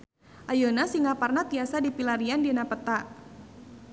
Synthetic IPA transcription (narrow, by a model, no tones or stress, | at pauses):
ʔajonasiŋaparnat̪iasadipilaɾiandinapət̪a